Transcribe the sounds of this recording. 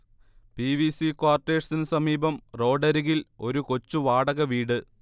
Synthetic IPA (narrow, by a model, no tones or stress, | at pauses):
piʋisikwaːrʈːe̞ːʂsinɨsɐmiːbɐmro̞ːɖɐɾiɣilo̞ɾuko̞t͡ɕːuʋaːɽɐɣɐʋiːɽɨ